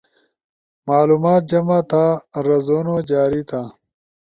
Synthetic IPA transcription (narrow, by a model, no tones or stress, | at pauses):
maːluːmaːt̪̚d͡ʑɐmat̪ʰaːɾɐzoːnoːd͡ʑaːɾit̪ʰaː